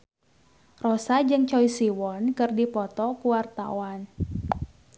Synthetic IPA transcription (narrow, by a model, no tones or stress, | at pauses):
rɔsad͡ʒɨŋt͡ʃɔisiwɔnkɨrdipɔt̪ɔkuwart̪a̰wan